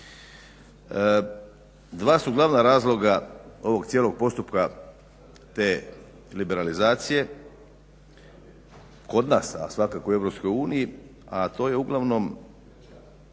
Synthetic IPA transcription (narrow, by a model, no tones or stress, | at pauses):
d̪ʋaːsuɡlˠaʋnaɾaːzlˠo̞ɡao̞ʋo̞ɡt̪sjelo̞ɡ̚po̞st̪upka | t̪e̞ː | libe̞ɾalizaːt̪sije̞ | ko̞d̪naːsa̰sʋakakoue̞ʋɾo̞psko̞juːniji | at̪o̞ːjeuɡlˠaʋno̞m